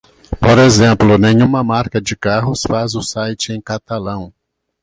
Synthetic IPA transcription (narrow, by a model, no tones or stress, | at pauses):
poɾezẽmplʊnẽɲũmɐmaɾkɐd͡ʒɪkaɦʊsfazʊsajt͡ʃɪẽj̃kat̪alɐ̃w̃